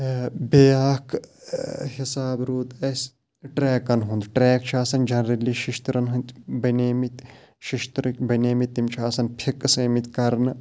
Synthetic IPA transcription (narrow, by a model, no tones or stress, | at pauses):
beːaːk | hisaːbɾuːt̪ɐs | ʈɾɛːkɐnɦund̪ʈɾɛːk̚t͡ʃʰaːsɐnd͡ʒɐnɾɐliːʃiʃt̪ɾɐnɦunt̪bɐneːmit̪ | ʃiʃt̪ɾkʲbɐneːmit̪ːimt͡ʃʰaːsɐnpʰikːsɐmit̪ʲkɐɾnɨ